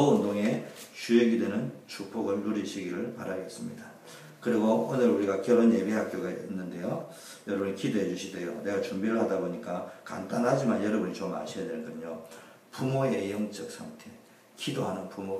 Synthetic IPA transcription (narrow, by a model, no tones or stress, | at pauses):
ʌundoŋe̞t͡ɕueɡidwenɯnt͡ɕup͈ʰoɡɯɭːuɾiɕʰiɡiɾɯɭpaɾaɡes͈ɯmɲida | kɯɾiɡoonɯɾuɾiɡakjʌɾonje̞biɦak̚k͈joɡaḭinːɯnde̞jo | jʌɾʌbɯɲikidoɦe̞d͡ʑuɕʰide̞jo̰ne̞ɡat͡ɕumbiɾɯɭhadaboɲik͈aka̰nt͈anɦad͡ʑimanjʌɾʌbɯɲit͡ɕoma̰ɕʰijadwe̞ɭkɯɲo | pumoejʌŋt͡ɕ͈ʌk̚s͈ʰaŋtʰe̞ | kidoɦanɯnpumo